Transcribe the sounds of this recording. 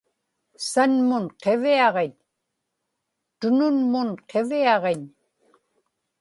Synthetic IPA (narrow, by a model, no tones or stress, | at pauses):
sanmʊnqe̞viɑʁeɲ | t̪ʊnʊnmʊnqʰe̞viɑʁeɲ